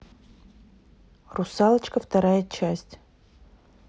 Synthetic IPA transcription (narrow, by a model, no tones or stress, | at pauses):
rusalˠət͡ʃkəft̪aɾajət͡ʃʰasʲtʲ